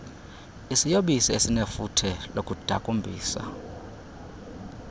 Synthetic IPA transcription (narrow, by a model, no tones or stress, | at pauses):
isijoɓisiesinefutʰɛlokʼud̥ʱa̰kʼumbʱiːsa̰